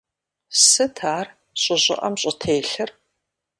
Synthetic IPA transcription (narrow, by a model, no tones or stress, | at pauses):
sɨtʰaːr | ɕʼʊʑʼɪ̰ʔɐmɕʼɪtʰeːɬɨr